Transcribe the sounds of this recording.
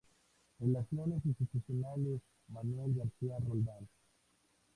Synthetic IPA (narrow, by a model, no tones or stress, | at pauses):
elasjones̬esosesjonales | manwelɣaɾsiarold̪al